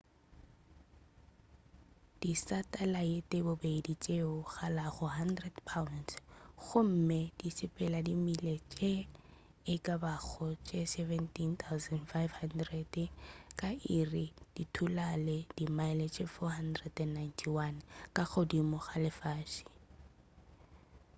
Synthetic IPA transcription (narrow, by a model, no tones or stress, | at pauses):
d̥isatʼalaetʼebobeidit͡ʃʼeʊɣalaɣʊɦandrɛdpʰansɣʊm̩med̥isɪpʼɛladimilet͡ʃʼe | ɪkʼabak͡xʰɔt͡ʃʼesɛvɛntʰint̪ʰawzɛndfajfhandrɛdkʼaɪrɪd̥itʰulaled̥imaɪlet͡ʃʼefɔhandrɛdɛnːajntʰiwankʼaɣʊdimʊχalɪfaːʃi̥